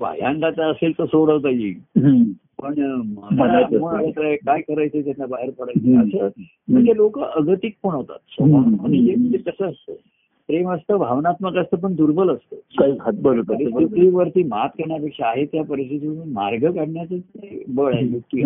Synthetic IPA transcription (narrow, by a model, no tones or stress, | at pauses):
ba̰jã̰nʈ̪at̪aəselt̪əsoɽəʋt̪̬əjḭ | pəɳməaməɽalət̪əɾaekajkəɾajt͡set̪janlabaɦeɾpəɽajt͡seəsə | m̤əɳd͡ʑelokəʔəɡət̪ik̚poɳ̃əʋt̪a̰t̪səana̰ñiem̤əɳd͡zet̪əsəəst̪ə | pɾeməst̪əːbʱaʋnat̪məkəst̪əːp̬əɳd̪uɾbʱələst̪əːkaikʰat̪̚bəlt̪ɾisit̪ɾiːʋəɾt̪iːmat̪kəɾɳjapekʂaaɦet̪japəɾəsit̪iunmaɾɡəkaɽɳjat͡səkajbəɭajjuk̚t̪iː